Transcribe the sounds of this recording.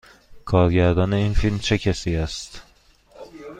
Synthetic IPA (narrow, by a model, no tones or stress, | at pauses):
kʰɒːɾɟæɾd̪ɒːne̞iːnfilmt͡ʃʰe̞cʰæsiːæst̪